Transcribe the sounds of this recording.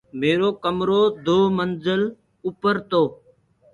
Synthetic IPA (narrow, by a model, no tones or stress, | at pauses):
meːɾoːkəmɾoːd̪oːmənzəl | ʊpəɾt̪oː